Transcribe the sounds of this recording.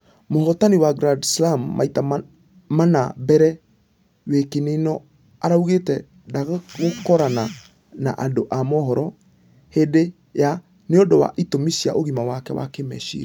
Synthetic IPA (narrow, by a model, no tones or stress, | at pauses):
mohɔtaniwaɡɾadslamːa̰ita | manabɛɾɛ | wekenenɔ | aɾauɣetɛ | daɣɣokɔɾana | na̰ʔadoʔamɔɦɔɾɔ | hede | ja | neodowa̰ʔitomisia̰ʔoɣimawakɛwa̰kemɛ̰ʃḭɾa